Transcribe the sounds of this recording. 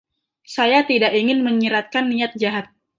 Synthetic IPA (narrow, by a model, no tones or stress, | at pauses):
sajat̪idakiŋɪnməɲiɾat̪̚kanːiat̪̚d͡ʒaɦat̪̚